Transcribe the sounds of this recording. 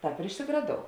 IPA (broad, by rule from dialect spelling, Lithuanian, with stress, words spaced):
ˈtɑːp ɪr ɪʃʲsʲɪɡrɐˈdoːʊ